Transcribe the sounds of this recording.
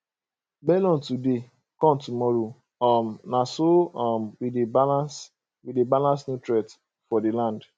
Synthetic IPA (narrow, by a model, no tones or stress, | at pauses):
bɛlɔ̃ntude | kɔ̃mtumɔɾo | ɔmnasomwidebalas | widebalãnsnutɹɛt | fɔdelãnd